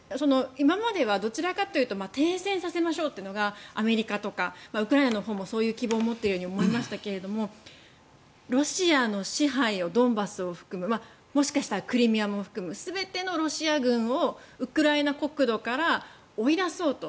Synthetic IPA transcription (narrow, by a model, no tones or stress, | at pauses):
so̞no̞imamad̪e̞β̞ad̪o̞t͡ɕiɾakat̪ːejɯ̟t̪o̞mat̪ẽ̞ɰ̃sẽ̞ɰ̃sase̞maɕo̞ːt̪ːenoɡaame̞ɾʲikat̪o̞kamaɯ̟kɯ̟ɾainano̞ɦo̞ːmo̞so̞ːjɯ̟ːkʲibo̞ːmo̞t̪ːe̞ɾɯjo̞ːɲ̟io̞mo̞imaɕi̥t̪ake̞ɾe̞d̪o̞mo̞ | ɾo̞ɕiano̞ɕiɦaio̞d̪õ̞mbasɨo̞ɸɯ̟̥kɯ̟mɯ̟ma | mo̞ɕi̥kaɕi̥t̪aɾakɯ̟ɾʲimʲiamɸɯ̥kɯ̟mɯ̟sɨbe̞t̪e̞no̞ɾo̞ɕiaɡɯ̟̃ɰ̃o̞ɯ̟kɯ̟ɾainako̞kɯ̟d̪o̞kaɾa | oid̪aso̞ːt̪o